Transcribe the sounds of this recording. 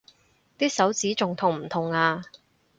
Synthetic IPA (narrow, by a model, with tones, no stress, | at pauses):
t̪iː˥k̚sɐ˨˥wt͡siː˨˥t͡sʊ˨ŋt̪ʰʊ˨˩ŋm̩˨˩t̪ʰʊ˨˩ŋaː˧